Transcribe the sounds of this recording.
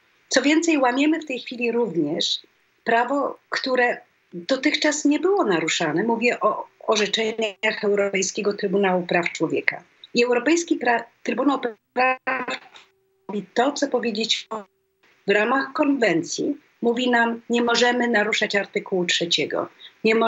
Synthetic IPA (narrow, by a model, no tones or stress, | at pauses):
t̪sɔvʲjɛnt̪sɛjwamʲjɛmɘft̪ɛjxfʲilʲiɾuvɲɛʂ | pɾavɔkt̪uɾɛ | d̪̥ɔt̪ɘxt͡ʂasɲɛbɘwɔnaɾuʂanɛmuvʲjɛʔɔːʐɛt͡ʂɛɲaxɛwɾɔpɛjskʲɛɡɔt̪ɾɘbunawupɾaft͡ʂwɔvʲjɛ̰ka̰ | iɛwɾɔpɛjskʲipɾat̪ɾɘbunawp | ɾaf | vʲit̪ɔt̪sɔpɔvʲjed͡ʑet͡ɕ | vɾamaxkɔnvɛnt̪sʲji | muvʲinamɲɛmɔʐɛmɘnaɾuʂat͡ɕaɾt̪ɘkuwutʂɛt͡ɕɛɡɔ̰ɲɛmɔ